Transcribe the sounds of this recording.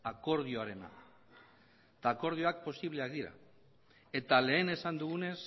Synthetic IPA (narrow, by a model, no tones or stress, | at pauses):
ako̞ɾð̞ioaɾe̞na̰ | t̪aːko̞ɾð̞io̞ak̚po̞siβle̞ak̚d̪iɾa̰ | e̞t̪ale̞ːne̞sand̪uɣ̞une̞s